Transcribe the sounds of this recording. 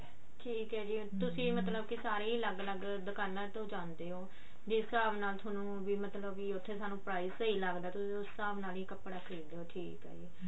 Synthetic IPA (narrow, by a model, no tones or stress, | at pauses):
ʈʰiːkɦɛːd͡ʒiːt̪ʊsĩːmət̪ləbkɪsaːɾeːiːləɡləɡ | d̪əkaːlaːt̪õːd͡ʒãːnd̪eːɦoː | d͡ʒɪsːəaːbnaːlt̪ʰoːnũːʋiːmət̪ləbiːʊt̪ʰːeːsaːnũːpɾaːiːsiːləɡd̪aːt̪ʊsĩːʊsːaːbnaːliːkəpɽaːkʰiːd̪eːɦoːʈʰiːkɦɛ̰ːd͡ʒiː